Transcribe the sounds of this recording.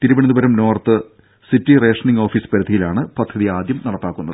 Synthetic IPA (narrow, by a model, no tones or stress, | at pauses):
t̪iɾubɐɳɐnubɐɾɐmno̞ːrt̪ɨ | sitːire̞ːʂɐniŋɡoːfiːspɐɾud̪ʱijilaːɳɨpɐd̪ʱːɐðiaːd̪jɐmnɐɽɐpːaːkːunːɐðɨ